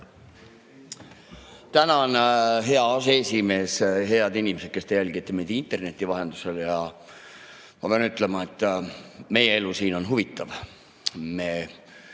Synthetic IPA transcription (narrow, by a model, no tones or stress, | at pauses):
t̪ænɑonɦe̞ɑɑseesʲime̞ːsɦe̞ɑd̪inʲimese̞t̪̚ke̞st̪e̞jælʲɡ̥it̪ːˑemejd̪̥int̪ːˑe̞rne̞t̪ʲːˑivɑɦe̞nd̪use̞ljɑ | mɑpe̞ɑnyt̪ːˑle̞mɑe̞t̪ˑːme̞jee̞lusiːno̞nɦuvit̪ːˑɑv | me̞ː